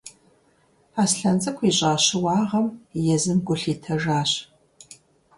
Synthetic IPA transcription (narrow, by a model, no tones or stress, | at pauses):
aːsɬɐnzʼɐkʷʰiːɕʼaːɕɪwɑːʁɐmjɛzɨmɡʷʊɬiːtʰɐʒaːɕ